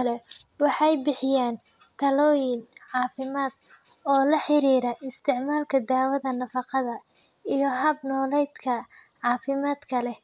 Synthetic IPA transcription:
lɛ | wɑħɑjbɪħɪjaːn | t̪ʰɐlɔːjɪnʕɑːfɪmaːd̪̥ | ɔːlɐħɪɾiːɾɐʔɪst̪ʰɪʕmaːlkʰɐd̪aːwɐðɐnɐfɑqɑðɐ | ijɞɦɐbnɔːlɛjd̪kʰɐ | ʕɑːfɪmaːd̪kʰɐlɛ

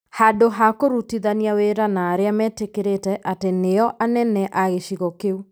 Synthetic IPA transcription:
hadoɦakoɾutiðaniaweɾanaːɾeamɛːtekeɾetɛʔateneɔʔanɛnɛʔaɣeʃiɣɔkeu

